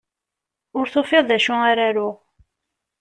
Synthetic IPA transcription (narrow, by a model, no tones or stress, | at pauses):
ʊɾθʊfɪðˤðæʃʊaɾaɾʊ